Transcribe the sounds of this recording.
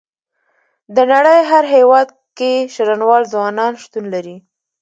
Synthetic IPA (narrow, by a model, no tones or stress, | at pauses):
d̪ənaɽəjɦaɾɦewɑd̪ | keʃaɾanwɑlzwɑnɑnʃt̪unlaɾi